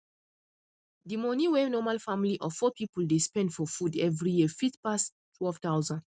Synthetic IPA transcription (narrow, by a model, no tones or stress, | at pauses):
dimɔniwɛnɔmalfamliʔɔfɔpʰipuldespɛ̃ndfɔfudɛvɹijifitpas | tʰwɛlv̥tawzãnd